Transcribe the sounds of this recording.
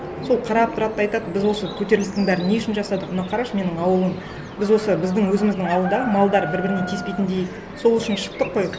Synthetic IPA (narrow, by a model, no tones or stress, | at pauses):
so̞lˠqʰɑɾɑp̚t̪ʊɾɑt̪̚ːɑjt̪ɑd̪əbɪzwo̞sət̪ʰɵt̪e̞ɾlɪst̪ɪŋbæɾɪne̞ʊʃɪnʒɑsɑd̪əqmʊnɑqʰɑɾɑʃme̞nɪŋɑwəlˠəm | bɪzwo̞səbɪzd̪ɪŋwɵzɪmɪzd̪ɪŋɑlˠd̪ənd̪ɑmɑlˠd̪ɑɾbɪɾbɪɾɪne̞t̪ʲʰespejt̪ɪnd̪e̞jɪk | so̞lˠʏʃɪnʃə̥q̚t̪əqːoj